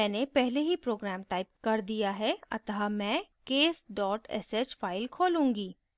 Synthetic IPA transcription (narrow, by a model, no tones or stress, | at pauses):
ɛːnepɛɦleɦipɾoːɡɾɛːmʈaːɪp̚kɐɾd̪ijaɦɛɐ̰t̪ɦamɛ̃ːkeːsɖɔːʈɛ̰seːt͡ʃfʰaːɪlkʰoːlũːŋɡiː